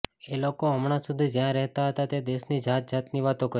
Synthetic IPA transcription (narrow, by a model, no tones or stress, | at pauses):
elokoɦəmɽ̃ãsud̪ʱid͡ʒjãɾɛɦt̪aɦət̪at̪ed̪eʃnid͡ʒʱat̪̚d͡ʒʱat̪niʋat̪õkə